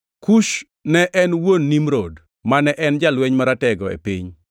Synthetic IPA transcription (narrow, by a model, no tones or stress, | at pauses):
kuʃ | nɛʔɛnwonːimɾod | manɛʔɛnd͡ʒalweɲmaɾatɛɡɔḛpḭɲ